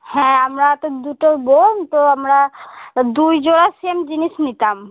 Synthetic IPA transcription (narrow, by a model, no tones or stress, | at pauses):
hɛ̃amɾat̪od̪uʈobomt̪oamɾad̪ujd͡ʒoɽasiemd͡ʒinisnit̪am